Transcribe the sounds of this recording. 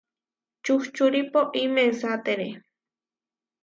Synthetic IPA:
t͡ʃuxt͡ʃuɾipoʔimensat̪eɾe

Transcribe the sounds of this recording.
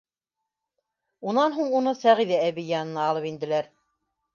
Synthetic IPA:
unɑnɦuɴunɤsæʁiðææβijɑnɤ̆nɑːlˠɤpind̪ɘ̆læɾ

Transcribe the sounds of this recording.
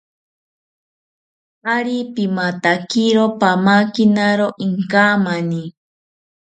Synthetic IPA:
aɾipimat̪akiɾopamakinaɾoʔiŋkamani

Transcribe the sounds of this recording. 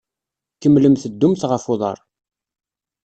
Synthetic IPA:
kəmːləmθəd̪ːʊmθʁəfʊðˤɑ̰ɾˤ

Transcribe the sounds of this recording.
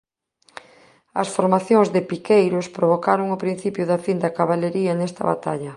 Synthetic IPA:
ɐsfoɾmaθjoŋzðɪpikejɾʊspɾoβ̞okaɾoŋʊpɾin̟θipjʊðɐfind̪ɐkaβalʎeɾiɐnest̪ɐ̰βa̰t̪a̰ʎɐ

